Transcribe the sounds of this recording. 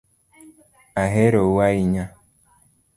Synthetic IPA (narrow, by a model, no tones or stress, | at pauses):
aɦeɾowaiɲa